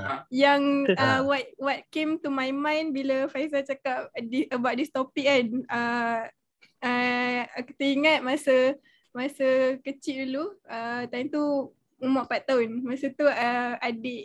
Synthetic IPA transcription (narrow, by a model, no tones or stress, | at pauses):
jaŋəwat̪̚wat̪̚kemt̪umajmãjnbilafaisat͡ʃakap̚diəbawʔ̚dist̪opik̚anə | əki̥t̪əiŋat̪̚masə | masəkət͡ʃiʔduluət̪ant̪u | umaʔpatt̪ːaʊnmasət̪uəadeʔ